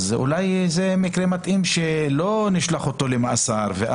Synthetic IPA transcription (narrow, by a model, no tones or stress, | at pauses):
zṵlajzemikɾemat̪ʔimʃelo̞niʃlaχot̪o̞lemaʔasaɾveʔ